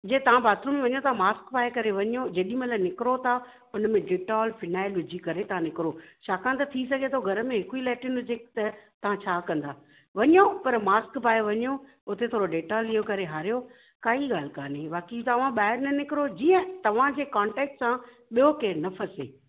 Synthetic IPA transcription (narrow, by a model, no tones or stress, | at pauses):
d͡ʑet̪ɐʋ̤ãbaːt̪ɾõmẽʋɐɲot̪ʰamaːskpaːekɐɾeʋɐɲod͡ʑɐɗĩmẽlanɪkɪɾot̪ʰa | ʊnmẽɖeːʈaɔlfɪnaːɪlʊd͡ʑikɐɾet̪ɐʋãnɪkɪɾoʃʰaːkãnt̪ɐt̪ʰisɐɡʱet̪ʰoɡʱɐɾəmẽɦɪkuilɛːʈɪnɦʊd͡ʑeːkt̪ɐt̪ɐʋ̤ãt͡ɕʰaːkɐ̃nd̪aː | ʋɐɲopɐɾmaːskpaːeʋɐɲo | ʊt̪et̪ʰoːɾoɖeːʈalijokɐɾeɦaːɾijo | kaːiɠaːl̤kaːneʋaːkit̪ɐʋ̤ãɓaːɦɪɾnɐnɪkɪɾod͡ʑiːə̃t̪ɐʋ̤ãd͡ʑeːkãːɳʈɛːk̚ʈsã | ɓijokeːnɐfəsḛː